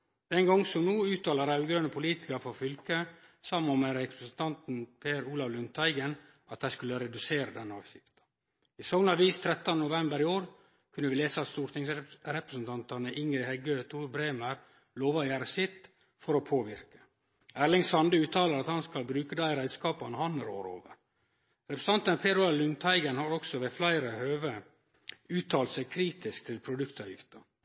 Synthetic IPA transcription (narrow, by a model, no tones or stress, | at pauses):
d̪̥ɛŋɡɔŋːsɔmnuːʉːt̪ɑːləɾɑʉɡɾœnəpʰʊliːt̪ɪ̥kəɾfɔɾfʏlkəsɑmːɑmɛɾɛpɾəsənt̪ʰɑnt̪npʰeːɾuːlɑʋlʉnt̪ʰːɑɪɡən | ʔɑt̪̚d̪æɪskʉlːəɾɛd̪ʉseːɾəd̪ɛnːɑːʋɕɪft̪ə̥ | ɪsoːɡnɑʋiːst̪ʰɾɛt̪ːɑnənʊʋɛmbəɾɪoːɾ | kʰʉnːəʋɪleːsəɑt̪st̪uːɾt̪ɪŋsɾɛpɾəsn̩t̪ʰɑnt̪ɑnəʔɪŋɾɪhɛɡøt̪ʰuːɾbɾeːməɾ | loːʋɑjæːɾəsɪt̪ | fɔɾɔpʰoːʋɪɾkə̥ | æːɭɪŋsɑnd̪əʉːt̪ʰɑːləɾɑt̪hɑnskɑlbɾʉːkəd̪æɪɾæɪd̪skɑːpɑnəhɑnəɾo̰ːɾo̰ːʋə̰ɾ | ɾɛpɾəs̩ʰɑnt̪ɑnəpʰeːd̪ɾʊɑlʉŋt̪ʰæɪɡənhɑɾɔksɔʋeːflæɪɾəhøːʋə | ʉːt̪ʰɑːlt̪sɛɡkʰɾiːt̪ɪskt̪ʰɪlpʰɾʊd̪ʉkt̪ɑʋjɪ̰ft̪ə